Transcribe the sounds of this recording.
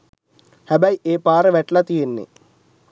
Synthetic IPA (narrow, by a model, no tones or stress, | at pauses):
hæbæjʔeːpaːɾəʋɛʈlat̪ijenːḛ